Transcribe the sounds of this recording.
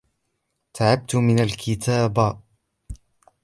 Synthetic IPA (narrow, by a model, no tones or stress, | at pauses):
t̪ʰaʕab̚t̪ʊmɪnalkʰɪt̪ʰaːb